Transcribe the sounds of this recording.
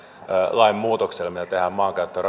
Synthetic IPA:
lɑimmuːt̪okselmit̪æt̪ehæːmmɑːŋkæyt̪ːør

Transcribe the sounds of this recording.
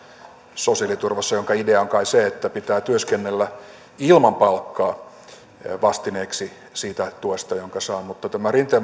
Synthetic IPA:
sosiɑlit̪urʋɑsːɑjoŋkɑideɑoŋkɑiseet̪ːæpit̪æːt̪yøskenːelːæ | ilmɑmpɑlkːɑː | ʋɑst̪ineːksi | siːt̪æt̪uest̪ɑjoŋkɑsɑːmut̪ːɑt̪æmærint̪e

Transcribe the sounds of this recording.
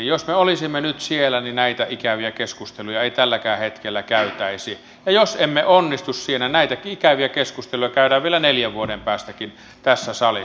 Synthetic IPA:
josmeolisimːenyt̪sielæninæit̪æikæʋiækeskust̪elujɑeit̪ælːækæːhet̪kelːækæyt̪æisie | jɑjosemːeʔonːist̪ussienænæˑit̪ækikæʋiækeskust̪elujɑkæˑyɾæʋʋielæneljæʋʋuoɾempæːst̪ækin | t̪æsːæsɑli

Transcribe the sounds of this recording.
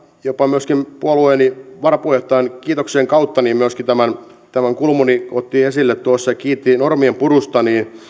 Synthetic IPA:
jopːɑmyøskimpuolueːniʋɑrɑpueht̪ɑenkiːt̪okseːŋkɑut̪ːɑniːmmyøskit̪æmæn | t̪æmæŋkulmuniot̪ːiesilːet̪t̪uosːɑjɑkiːt̪ːinormiempurust̪ɑniː

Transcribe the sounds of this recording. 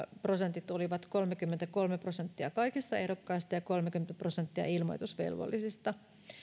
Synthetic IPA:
pro̞sent̪it̪oliʋɑt̪ko̞lmekymːent̪æko̞lmeprosent̪ːiɑkɑikist̪ɑeɾokːɑist̪ɑjɑko̞lmekymːent̪æpro̞sent̪ːiɑ̰ilmo̞̰jt̪usʋe̞̰lʋo̰lːisist̪ɑ

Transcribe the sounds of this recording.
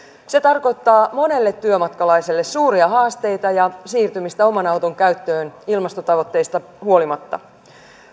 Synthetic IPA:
se̞t̪ɑrko̞jt̪ːɑːmo̞ne̞lːe̞t̪ːyømɑt̪kɑlɑjselːe̞ssuːɾiɑɦɑːst̪e̞jt̪ɑjɑsiːrt̪ymist̪æo̞mɑnɑwt̪oŋkæyt̪ːø̞ːnilmɑst̪ot̪ɑʋo̞t̪ːe̞jst̪ɑ | huo̞limɑt̪ːɑ̰

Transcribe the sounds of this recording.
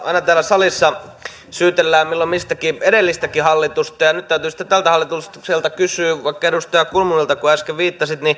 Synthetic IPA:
ɑ̰inɑt̪æːlæsɑlisːɑ | syːt̪elːæːmilːommist̪ækieɾelːist̪ækihɑlːit̪ust̪ɑjɑnyt̪t̪æyt̪yːsi̥t̪et̪ælt̪æhɑlːit̪uskselt̪ɑkysyːʋɑikːɑedust̪ojɑkulmunilt̪ɑkuæskeʋʋiːt̪ːɑsit̪ni

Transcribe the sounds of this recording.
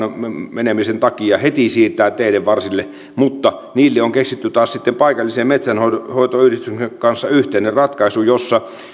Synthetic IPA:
menemisent̪ɑkiɑhet̪isiːt̪ːˑæˑːt̪eˑiɾeʋʋɑrsilːe | mut̪ːɑniːlːeoŋkeksit̪ːyt̪ɑːssit̪ːempɑikɑlːiseːmmet̪sænhohoˑit̪oyhɾist̪ykekɑnsːɑyht̪enerrɑt̪kɑisujosːɑ

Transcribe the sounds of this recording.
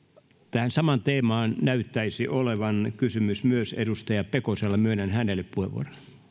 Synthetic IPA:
t̪æhænsɑmɑnt̪eːmɑːnnæyt̪ːæisiʔoleʋɑnkysymysmyøsḛdust̪ɑjɑpekoselːɑmyønænhænelːˑeppuheʋṵo̰ron

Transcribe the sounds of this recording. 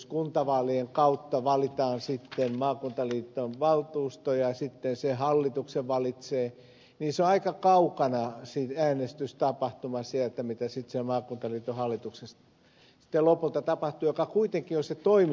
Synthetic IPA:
skunt̪ɑʋɑːlieŋkɑut̪ːɑʋɑlit̪ɑːnsit̪ːemmɑːkunt̪ɑliːt̪ːonʋɑlt̪uːst̪ojɑsit̪ːensehɑlːit̪ukseʋʋɑlit̪seː | niːseoɑikɑkɑukɑnɑsit̪æːnest̪yst̪ɑpɑht̪umɑsiælt̪ːæmit̪æsit̪semɑːkunt̪ɑliːt̪ːohɑlːit̪uksest̪ | si̥t̪ːelopult̪ɑt̪ɑpɑht̪uːjokɑkuit̪eŋkioset̪oim

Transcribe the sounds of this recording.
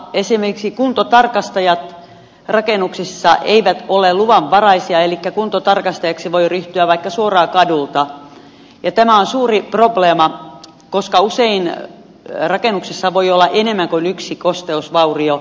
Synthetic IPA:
esimerkiksikunt̪ot̪ɑrkɑst̪ɑjɑt̪ | rɑkenuksisːɑʔeiʋæt̪oleluʋɑʋʋɑrɑisiɑelikːækunt̪ot̪ɑrkɑst̪ɑjɑksiʋoiryht̪yæʋʋɑikːɑsuorɑːkɑdult̪ɑ | jɑt̪æmæonsuːriprobleːmɑ | koskɑusein | rɑkenuksisːɑʋoiolːɑʔenemːæŋkonyksikost̪eusʋɑurio

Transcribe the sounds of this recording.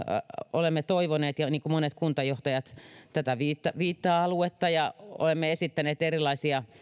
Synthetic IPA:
olemːet̪oiʋoneːt̪jɑniːŋkumonet̪kunt̪ɑjoht̪ɑjɑt̪t̪æt̪æʋiːt̪ːɑʋiːt̪ːɑːɑluet̪ːɑjɑo̰lemːeesit̪ːæneːt̪erilːˑɑisiɑ

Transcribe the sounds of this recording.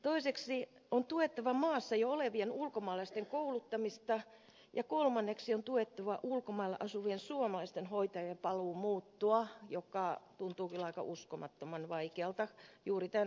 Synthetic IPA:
t̪oiseksi | ont̪uet̪ːɑʋɑmɑːsːɑjooleʋienulkomɑːlɑist̪eŋkoulut̪ːɑmist̪ɑ | jɑkolmɑnːeksiont̪uet̪ːɑʋɑʔulkomɑilːḛʔɑsuʋiensuomɑlɑist̪enhoit̪ɑjɑpɑluːmuːt̪ːuɑjokːˑɑˑt̪unt̪uːkylɑikɑ̰ʔuskomɑt̪ːomɑnʋɑikeɑlt̪ɑjuːrit̪æn

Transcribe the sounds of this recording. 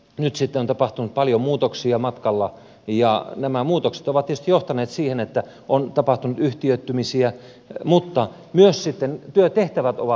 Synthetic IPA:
nyt̪sit̪ːeont̪ɑpɑht̪unut̪̚pɑljomuːt̪oksiɑmɑt̪kɑlːɑ | jɑnæmæmuːt̪okse̥t̪oʋɑt̪t̪ːiety̥st̪ijoht̪ɑneːt̪siːhenet̪ːæ | ʔont̪ɑpɑht̪unut̪yht̪iøt̪ːymisiæ | mut̪ːɑ | myøssit̪ːent̪yøt̪t̪eht̪æʋæt̪o̰ʋɑ

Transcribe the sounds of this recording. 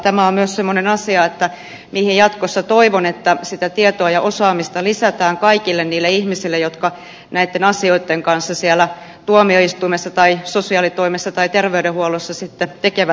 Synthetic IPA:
t̪æmæommyøssemːonenɑsiɑet̪ːæ | miːhijɑt̪kosːɑt̪oiʋonet̪ːæsit̪æt̪iet̪oɑjɑʔosɑːmist̪ɑlisæt̪æːŋkɑikilːenniːlːeihmisilːejot̪kɑ | næit̪ːenɑsioit̪ːeŋkɑnsːɑsiɛlːˑæ | t̪uomioist̪uimesːɑt̪ɑisosiɑːlit̪oimesːɑt̪ɑit̪erʋeydehuolosːɑsit̪ːet̪ekeʋæ

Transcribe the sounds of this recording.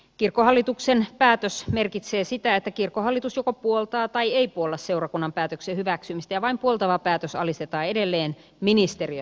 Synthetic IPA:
kirkːˑohɑlːit̪uksenpæːt̪øsmerkit̪seːsit̪æet̪ːækirkːohɑlːit̪usjokopuolt̪ɑːt̪ɑieipuolːɑsse̞urɑkunːɑmpæːt̪øksehyʋæksymist̪æjɑʋɑimpuolt̪ɑʋɑpæːt̪øsɑ̰list̪et̪ɑːedelːeːn | minist̪eriø

